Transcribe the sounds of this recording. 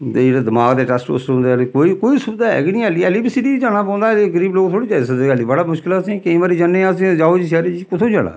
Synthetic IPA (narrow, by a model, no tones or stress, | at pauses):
ed͡ʒeːɽeːd̪əmaːɡd̪eːʈɛːsʈo̰ːsɾɦʊ̃nd̪eːlekoːikoːiːsʊd̪aːɛ̰ɡɪnĩːɛːliːɛliːbisiʈiːid͡ʒaːɽ̃aːp̬ɔ̃ːnd̪aːleɡəɾiːbloːkt̪ʰoːɽiːd͡ʒaːsəd̪eəːliːbəɽaːmʊʃkɪlasĩːkeĩːʋaːɾiːd͡ʒənẽːãsĩːd͡ʒaːoːd͡ʒiːs̬ɛːɾeːd͡ʒiːkʊt̪ʰõːd͡ʒaːɽa̰ː